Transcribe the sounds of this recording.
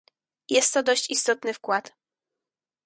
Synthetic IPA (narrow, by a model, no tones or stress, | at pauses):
jɛst̪ːɔd̪ɔɕt͡ɕist̪ɔt̪nɘfkwat̪